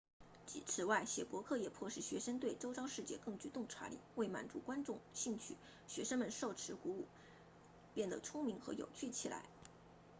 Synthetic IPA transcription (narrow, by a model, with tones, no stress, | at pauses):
t͡ɕi˧˥˩ʈ͡ʂʰɻ̩˧˥wa˥˩ɪɕjɛ˨˩pwɔ˧˥kʰɤ˥˩jɛ˨˩pʰwɔ˥˧ʂɻ̩˥˩ɕɥɛ˧˥ʂə˥ŋt̪we˥˩ɪʈ͡ʂo˥ʊʈ͡ʂɑ˥ʊʂɻ̩˥˧t͡ɕjɛ˥˧kɤ˥˩ŋt͡ɕy˧˩t̪ʊ˥˩ŋʈ͡ʂʰwa̰˧˥lḭ˨˩˦we˥˩ɪma̰˨˩nt͡sṵ˧˥kwa˥nʈ͡ʂʊ˥˧ŋɕi˥˧ŋt͡ɕʰy̰˥˩ | ɕɥɛ˧˥ʂə˥ŋmə˨nʂo˥˩ʊʈ͡ʂʰɻ̩˧˥ku˧˥u˥˩ | pjɛ˥˩nd̪ə̰˩ʈ͡ʂʰʊ˥ŋmi˧˥ŋxɤ̰˧˥jo̰˨˩ʊt͡ɕʰy˥˩t͡ɕʰi˨˩la̰˧˥ɪ